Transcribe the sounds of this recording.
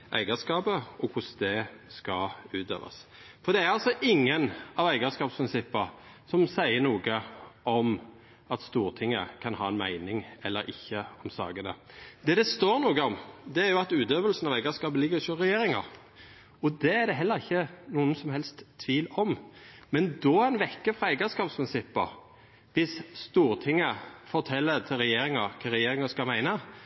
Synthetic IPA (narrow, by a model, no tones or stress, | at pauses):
ʔæ̰ɪɡəskɑːbəɔkʰʊsd̪ɛskɑʉːt̪ø̰ːʋɑ̰sfɔɾd̪ɛæɾɑlsɔʔɪŋːənɑʋæɪɡəskɑːpspʰɾɪnsɪpːəɾ | sɔmsæɪənuːɡəɔm | ɑt̪st̪uːɾt̪ʰɪŋːəkʰɑnhɑːɛnmæɪnɪŋɛlːəɾɪ̰çːəɔmsɑ̰ːɡənə̰d̪ɛːd̪ɛst̪oːɾnuːɡəɔmd̪ɛæɾjʊɑt̪ʉːt̪øːʋəlsn̩ɑʋæɪɡəskɑːbəlɪɡəɾɪçɔɾɛjeːɾɪŋɑ̰ɾ | ɔd̪ɛæɾd̪ɛɦɛlːəɾɪçːənuːənsɔmhɛlst̪ʰːʋiːlɔmmɛnd̪ɔæɪnʋɛkːəfɾʁɑɛɪɡəskɑːpspʰʁɪnsɪpːə̰ | ʋɪsst̪uːɾt̪ʰɪŋːəfɔt̪ʰɛlːəɾt̪ʰɪlɾɛjeːɾɪŋɑɾkʰɑɾɛjeːɾɪŋɑskɑlmæɪnə